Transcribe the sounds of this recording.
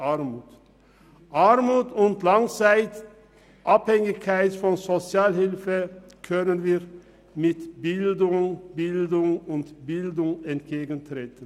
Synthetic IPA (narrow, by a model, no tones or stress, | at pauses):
aɾmuːt | ʔaɾmuːtʊntlaŋt͡saɪt | ʔaphɛŋɪçkʰaɪtfɔnzot͡sjaːlhɪlfə | kʰœnənviːʁ | mɪtb̥ɪldʊŋbɪldʊŋʊntb̥ɪldʊŋɛntɡ̥eːɡən̩tʁeːtən̩